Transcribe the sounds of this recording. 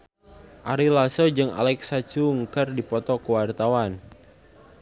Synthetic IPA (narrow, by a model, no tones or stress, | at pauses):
ʔaɾilasod͡ʒɨŋa̰lɛksat͡ʃuŋkərdipɔt̪ɔkəwart̪awan